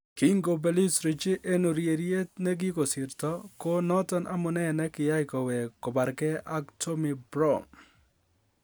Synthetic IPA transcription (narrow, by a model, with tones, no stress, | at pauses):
ki˦ŋɡo˨be˨li˦sɾi˨t͡ʃe˦ʔe˦no˨ɾje˨ɾje˦t̪ne˦ɡi˦ko˨sɪ˨ɾt̪ɔ˦ko˦nɔ˦t̪ɔ˦nʔa˦mʊ˨nɛ˦nɛ˦kɪ˨ja˦jkɔ˨we˨kɔ˨ba˨ɾkɛ˦a˦ktʰo˦mi˨bɾɔ˦n